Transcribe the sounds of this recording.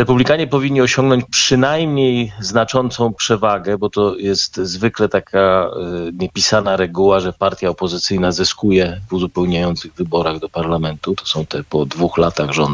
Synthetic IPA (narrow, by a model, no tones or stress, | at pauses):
ɾɛpublʲikaɲɛpɔvʲiɲʲːiɔɕɔ̃ŋɡnɔɲt͡ɕpʂɘnajmɲejznat͡ʂɔnt̪sɔ̃w̃pʂɛvaɡɛbɔt̪ɔjɛst̪zvɘklɛt̪akʰa | ɲɛpʲisanaɾɛɡuwaʐɛpaɾt̪ʲjaɔpɔzɘt̪sɘjnazɘskujɛvuzupɛwɲajɔnt̪sɘɣvɘbɔɾaɣd̪ɔpaɾlamɛnt̪ut̪ɔ̥sɔ̃w̃t̪ɛpɔd̪vuxlat̪aɣʐɔnd̪